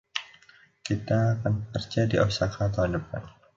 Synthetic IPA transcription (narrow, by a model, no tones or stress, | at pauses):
kit̪aːkanəkərt͡ʃadiʔasakat̪aandəpa̰t̪̚